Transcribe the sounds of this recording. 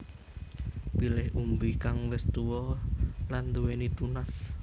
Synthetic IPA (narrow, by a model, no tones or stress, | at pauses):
pilɪhʔumbikaŋwɪst̪uwɔland̪uwenit̪unas